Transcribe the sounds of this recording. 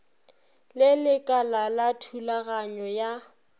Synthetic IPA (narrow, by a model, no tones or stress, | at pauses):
lɪlɪkʼalalatʰulaɣaɲɔja